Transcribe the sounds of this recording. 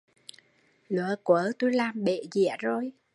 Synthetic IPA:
lə̰˧˨əkwəː˨˦t̪u˧jlaː˨˩mɓe˧˨zḭ˧˥əzo˨˩j

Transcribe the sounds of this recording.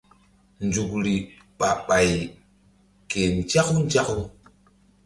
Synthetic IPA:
nd͡ʒu˨kɾi˨ | ɓa˨ɓa˨j | ke˨n˨t͡ʃa˦ku˦n˦d͡ʒa˦ku˦

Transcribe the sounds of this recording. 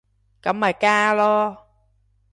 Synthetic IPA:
ka˨˩˦mːaː˨˩kaː˧lɔː˧

